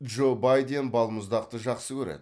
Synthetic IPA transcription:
ʒo̞bɑjd̪e̞nbɑlˠməzd̪ɑq̚t̪əʒɑqsəkʲʰɵɾḛd̪ɪ

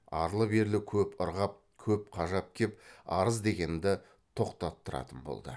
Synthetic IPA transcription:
ɑ̰ɾlˠəbe̞ɾlɪkʲʰɵpʊɾʁɑp̚ | kʲʰɵp̚qʰɑʒɑp̚kʲʰe̞p̚ɑɾəzd̪e̞ɡʲe̞nd̪ɪ | t̪ʰo̞qt̪ɑt̪ːəɾɑ̰t̪ənbo̞̰lˠd̪ə̰

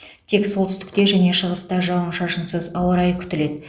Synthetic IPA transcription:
t̪ʰe̞kso̞lˠt̪ʰʏst̪ɪ̥k̚t̪e̞ʒæne̞ʃəʁəst̪ɑʒɑwənʃɑʒənsəzɑwəɾɑjkʲʰʏ̥t̪ɪle̞d̪ɪ

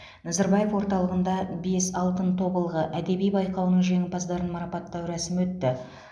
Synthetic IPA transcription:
nɑzɑɾbɑje̞fwo̞ɾt̪ɑlˠəʁənd̪ɑbe̞sɑlˠt̪ənt̪ʰo̞bəlˠʁəʔæd̪e̞bijbɑjqɑwnəɴʒe̞ŋɪpɑzd̪ɑɾənmɑɾɑpɑt̪ːɑwɾæsɪmwɵt̪ːɪ

